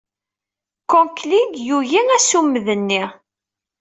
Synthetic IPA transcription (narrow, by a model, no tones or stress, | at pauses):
kɔnklidjuʝinæsumːəðənːi